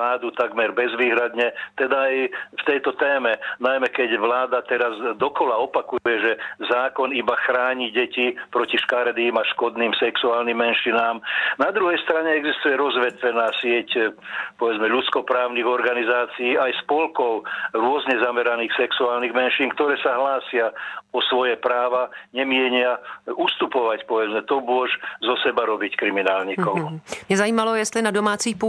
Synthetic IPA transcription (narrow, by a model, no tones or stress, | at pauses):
aːd̪ut̪aɡmɛɾbɛzʋiːɦɾad̪ɲɛt̪ɛd̪aaːjft̪ɛjt̪ɔt̪ɛːmɛnajmɛkɛɟʋlaːd̪at̪ɛɾazd̪ɔkɔlaɔpakujɛʒɛzaːkɔnibaxɾaːɲiɟɛcipɾɔciʃkaɾd̪iːmaʃkɔd̪niːmsɛksuaːlnimːɛnʃinaːmnad̪ɾuɦɛjst̪ɾaɲɛɛɡzist̪ujɛɾɔzʋɛt̪ʋɛnaːsɪɛcpɔʋɛd͡zmɛʎut͡skɔpɾaːʊniɣɔɾɡanizaːt͡siiːajspɔlkɔʊɾʊɔzɲɛzamɛɾaniːxsɛksuaːlniɣmɛnʃiːŋkt̪ɔɾɛːsaɦlaːsɪaɔsʋɔjɛpɾaːʋaɲɛmɪɛɲɪaust̪upɔʋacpɔʋɛd͡zmɛt̪ɔmʊɔʒzɔsɛbaɾɔbickɾiminaːlɲikɔʊmmɪɛzajiːmalɔjɛst̪linadɔmaːt͡siːxpu